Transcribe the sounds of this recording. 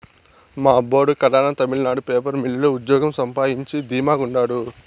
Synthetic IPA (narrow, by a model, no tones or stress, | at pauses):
maːboːɽukɐɾaːnɐt̪ɐmilɐnaːɽupeːpɐɾmiɭːɐluud̪jɔːɡɐmsɐmpaːjiɲt͡ʃid̪iːmaːɡuɳɖaːɽu